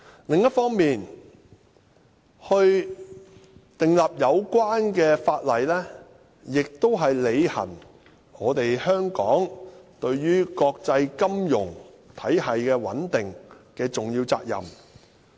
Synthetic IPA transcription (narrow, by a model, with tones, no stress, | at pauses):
lɪ˨ŋjɐ˥t̚fɔː˥ŋmiː˨n | hɵ˧ɥ | t̪ɪ˨˩ŋlɐ˨p̚jɐ˨˧wkʷaː˥nkɛː˧faː˧t̚lɐ˨˩jlɛː˥ | jɪ˨k̚t̪o˥wɦɐ˨jle˨˧jhɐ̰˨˩n | ɔː˨˧t̪e˨jhœː˥ŋkɔ̰ː˨˥ŋt̪ɵ˧ɥjyː˥kɔː˧k̚t͡sɐ˧jkɐ˥mjʊ̰˨˩ŋ | t̪ʰɐ˨˥jɦɐ˨jkɛː˧wɐ̰˨˥nt̪ɪ˨ŋkɛː˧t͡sʊ˨˩ŋjiː˧wt͡sa̰ː˧k̚jɐ̰˨m